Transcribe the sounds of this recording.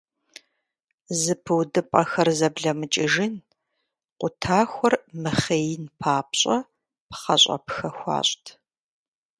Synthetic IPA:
zɨpʰɨwdɨpʼɐxɐrzɐbɮɐmɨt͡ʃʼɪʒɪn | qʷʊtʰaːxʷɔrmɨχeːjɪnpʰaːp̚ɕʼɐ | pχɐ̰ɕʼpxɐxʷɑ̰ːɕʷʼtʰ

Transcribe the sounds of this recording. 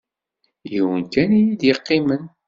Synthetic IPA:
jiwənkænijid̪jəqːɪmən

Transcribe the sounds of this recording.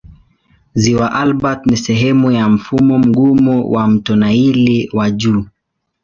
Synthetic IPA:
ziwaʔalbatnisɛɦɛmujam̩fumɔm̩ɡumuwʔam̩tɔnailiwaʄuː

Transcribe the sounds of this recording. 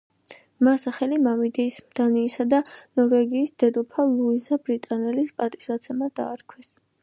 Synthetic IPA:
masaχɛlimamid̪ɛismd̪̥aniːsad̪anɔɾvɛɡiːsd̪ɛd̪ɔpʰalˠuizabɾit̪ʼanɛlispʼat̪ʼiʃd̪at̪sʰɛmad̪a̰ːɾkʰwɛs

